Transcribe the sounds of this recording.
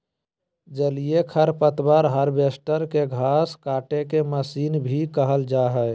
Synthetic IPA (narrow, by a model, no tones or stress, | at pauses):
d͡ʒəlijekʰəɾpət̪bəɾɦəɾbeːsʈəɾkeɡʱaːskaːʈekeməsiːnbʱikəɦəld͡ʒaːɦɛɪ